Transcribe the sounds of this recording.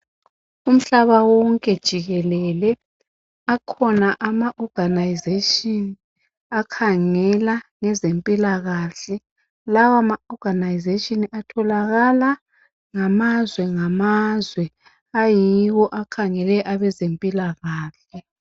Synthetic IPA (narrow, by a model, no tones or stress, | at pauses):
um̩ɬaβawɔŋkʼɛd̥ʒ̥ʱiɣɛlɛlɛ | akʰɔnaʔamaʔɔɡ̥ʱanajizetʼini | akʰaŋɛlaŋɛzempʼilaɣaːɬɛ | lawamaɔɡ̥ʱanajizeʃʼiniʔatʰɔlaɣala | ŋamazwɛŋamazwɛ | ajiwɔʔakʰaŋɛlɛʔaβɛzempʼilaɣaːɬɛ